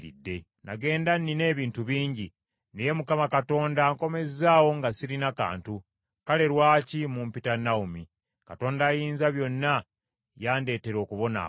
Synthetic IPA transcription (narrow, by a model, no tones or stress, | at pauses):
ɾḭdːe̞ | na̰ɡe̞ːndanːine̞ːβiːntuβiːɲɟi | nejemukamakato̞ːndaŋko̞me̞zzaːwo̞ŋɡasiɾinaka̰ːntu | kale̞ɾwaːcimumpitanaumi | kato̞ːndaːjiːnzaβjo̞nːa | jaːnde̞ːte̞ɾo̞ːkuβo̞na̰